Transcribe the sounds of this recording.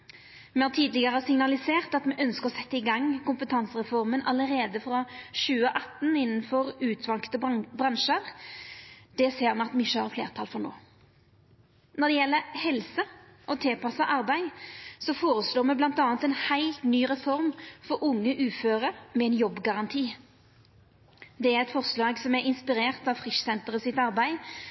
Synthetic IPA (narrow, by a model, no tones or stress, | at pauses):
mɛhɑːʁt̪ʰiːd̪lɪɡəʁəsɪŋnɑlɪseːʁt̪ɑt̪mɛʔœnskəʁɔsɛt̪ːəɪɡɑŋːkʊmpət̪ʰɑnsəʁɛfɔɾmənɑləɾeːd̪əfɾɔʃʉːəəʔɑt̪ːn̩ɪnːənfɔʁʉːt̪ʰʋɑŋkt̪əbʁɑnʃəɾ | d̪̥ɛseːʁnɑt̪mɪʃəhɑʁflḛːʁt̪ʰɑlfɔʁno̰ː | nɔʁd̪ɛjɛlːəhɛlsə | ʔɔt̪ʰeːpɑsɑʔɑɾbæɪsɔfoːɾəsloːmɛblɑnt̪ɑːnt̪ɛnhæɪlt̪nyːʁɛfɔɾmfɔɾʔʊŋːəʔʉːføːʁəmɛɛɪnjɔbːɡɑʁɑnt̪ʰiː | d̪ɛæʁɛt̪fɔʁslɑːɡsɔmæɾɪnspɪɾeːʁt̪ɑʋfʁɪʃsɛnt̪əʁəsɪt̪ɑɾbæɪ